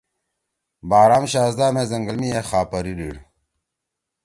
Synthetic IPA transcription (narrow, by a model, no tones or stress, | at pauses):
baːɾaːmɕaːzd̪aːmezɐŋɡɐlmijexaːpɐɾiɾḭɽ